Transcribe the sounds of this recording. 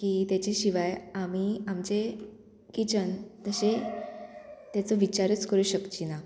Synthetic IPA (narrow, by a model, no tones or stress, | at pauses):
kiːt̪jat͡ɕeɕiʋajamiamt͡ɕe | kit͡ɕənt̪əɕe | t̪jat͡səʋit͡ɕaɾət͡skəɾuɕəkt͡ɕina